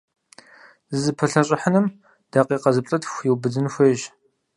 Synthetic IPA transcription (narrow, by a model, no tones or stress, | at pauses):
zzɨpʰɨɬɐɕʼɪħənɨm | d̥aːqiːqɐzɨpʼɕʼɐtxʷjiwbɨdɨnxʷeːʒ